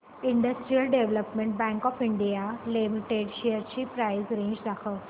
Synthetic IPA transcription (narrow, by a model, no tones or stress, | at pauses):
iɳɖəsʈɾiəlɖeʋləpmeɳʈ̚bɛ̃ŋkɔːfiɳɖijalimiʈeɖɕejəɾt͡ɕiːpɾajzɾẽɲd͡ʑd̪akʰə